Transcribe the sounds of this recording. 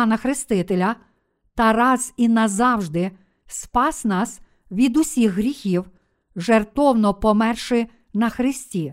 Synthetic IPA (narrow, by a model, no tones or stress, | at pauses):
nɐxɾɪst̪ɪt̪elʲɐ | t̪ɐrɑz̥inɐzɑwʒd̪ɪ | spɑsnɑs | ʋʲid̪ʊsʲixɦɾʲixʲiw | ʒert̪ɔwnɔpɔmɛrʃɪ | nɐxɾɪsʲtʲi